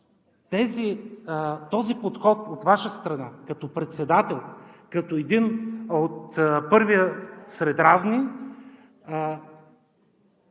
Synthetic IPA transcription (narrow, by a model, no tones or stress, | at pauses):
t̪ɛzi | t̪ɔzipot̪xɔt̪ot̪vaʃəst̪ɾɐnakɐt̪ɔpɾɛt̪sɛd̪at̪ɛlˠkɐt̪ɔɛd̪inot̪pɤɾvijəsɾɛd̪ɾavni